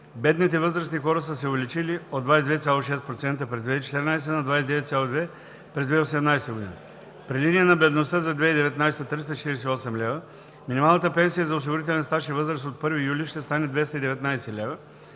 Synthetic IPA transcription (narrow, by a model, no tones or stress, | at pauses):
bɛd̪nit̪ɛvɤzɾəsnixɔɾəsəsɛʊvɛlit͡ʃiliod̪vajsɛd̪vɛt̪sʲjalˠoʃɛst̪pɾot̪sɛnt̪əpɾɛzvɛt͡ʃɛ̥t̪ɛɾnajs̬ɛnɐd̪vajsɛd̪ɛvɛt̪sʲalˠod̪vɛ | pɾɛzvɛɛosɛmnajsɛɡod̪ḭnə | pɾilinijənɐbɛd̪nost̪əzɐd̪vɛid̪ɛvɛt̪najsɛt̪ɾist̪ət͡ʃɛ̥t̪iɾɛsɛiɔsɛmlʲɛvə | minimalˠnət̪əpɛnsijəzɐos̬iɡoɾit̪ɛlɛnst̪aʃivɤzɾəsot̪̚pɤɾvijuliʃt̪ɛst̪anɛd̪vɛst̪əid̪ɛvɛt̪najsɛlʲɛvə